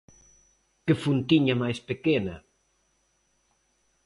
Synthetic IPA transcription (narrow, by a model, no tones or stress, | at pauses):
kefunt̪iɲamajspekenɐ